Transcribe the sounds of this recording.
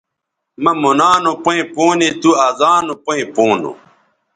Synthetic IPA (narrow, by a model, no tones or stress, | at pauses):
mɐmonaːnopoẽpoːnet̪uazaːnopoĩpoːno̰